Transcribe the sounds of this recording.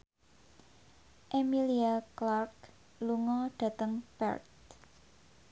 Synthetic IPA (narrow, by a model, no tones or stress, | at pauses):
ʔemiliaklark | luŋɔɖ̥ä̤t̪əŋpɛ̰rt̪̚